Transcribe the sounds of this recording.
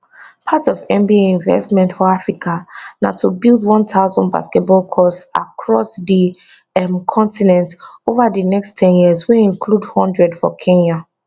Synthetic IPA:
pʰatɔvɛ̃mbieĩɱvɛ̰stmɛ̃ntfɔafɹikʰana̰tʰubilˠdwɔ̃ntʰaʊzɔ̃nba̰skɛt̚bɔlˠkʰɔssa̰kʰɹɔsdi | ɛmkʰɔ̃ntinɛ̃ntovadənɛkstʰɛ̃njiəzweĩŋkʰludhɔ̃ndɹɛdfɔ̰kʰɛ̃na

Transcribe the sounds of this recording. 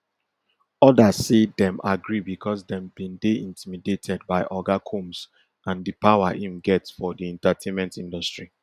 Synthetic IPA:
ɔdasedɛ̃maɡɹibikʰɔsdɛ̃mbĩndeĩntimidetʰɛd̚baɪʔɔɡakʰũms | ãndipaʊwahĩmɡɛtsfɔdiɛ̃ntatʰẽnmɛ̃ntĩndɔstɹi

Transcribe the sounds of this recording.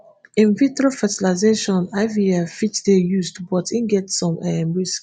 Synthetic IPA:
ĩnvitofɛtilaɪzeʃɔ̃naɪviafit͡ʃdejuzdbɔtĩnɡɛtsɔ̃mɛmɹisk

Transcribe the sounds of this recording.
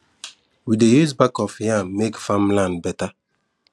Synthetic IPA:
widejuzbakɔfjãmekfãmlãndbɛta

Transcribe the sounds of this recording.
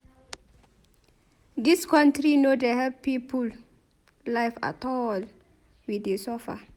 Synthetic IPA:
diskɔ̃ntɾinodeɦɛp̚pipul | laɪfa̰tɔl | widesɔfa̰

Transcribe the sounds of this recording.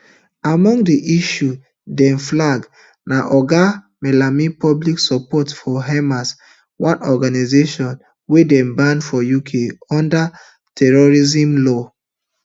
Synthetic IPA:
amɔ̃ŋdiʔiʃu | dɛ̃nflaɡ | naʔɔɡa | mɛlamipɔbliksɔpɔtfɔɦɛmas | wãnɔɡanazeʃɔ̃n | wedɛ̃nbãndfɔjukʰeɔ̃nda | tʰɛɹɔɹizĩmlɔ

